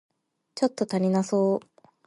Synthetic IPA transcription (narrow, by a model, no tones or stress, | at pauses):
t͡ɕo̞t̪ːo̞t̪aɾʲinaso̞ː